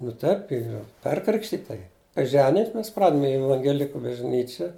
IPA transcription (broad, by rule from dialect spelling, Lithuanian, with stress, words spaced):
nʊ ˈtɐɪp ˈiːr ˈpʲɛrkrʲɪkʃʲtʲɪtɐ jɪ kɐɪ ˈʒʲæːnʲɪjʊmʲɪs ˈmʲɛs ˈprɑːdʲmʲɪ ɪ ɛʋɐŋʲɡʲɛˈlʲɪkʊ bɐʒʲˈnʲiːt͡ʃʲɛ